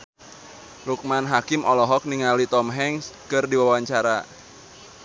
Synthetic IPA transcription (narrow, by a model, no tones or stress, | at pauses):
luk̚manɦakɪmʔɔlɔɦɔk̚niŋalit̪ɔmɦɛŋskɨrdiwawwaɲt͡ʃaɾa